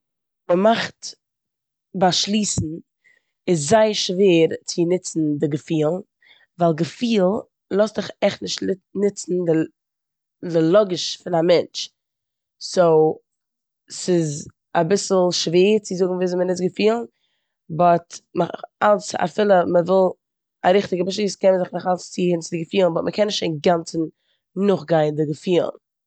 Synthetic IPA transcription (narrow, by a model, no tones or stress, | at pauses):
məmaχt | baʃlˠiːsn̩ | ɪs̬zaɪəʃveːɾt͡sɪnɪt͡sn̩dɪɡəfiːlˠ | vaɪlˠɡəfiːlˠ | lˠɔsdɪχɛχnɪʃtɪnɪt͡sn̩dɪ | dɪlˠɔɡɪʃfɪnamɛnt͡ʃ | soʊ | sɪz | abɪsl̩ˠʃveːt͡sɪzʊɡŋ̩viːzɔmənɪtɡəfiːlˠn | bɔtmalsa̰fɪlˠəməvɪlˠ | a̰ɾɪχtɪɡəbaʃ̬iːskɛnməzɪχnɪχalst͡sihɪnt͡sɪdɪɡəfiːlˠn̩bɔtməkʰɛnɪʃtt͡ʃeɪnɡant͡sn̩ | nʊχɡaɪndɪɡəfiːlˠn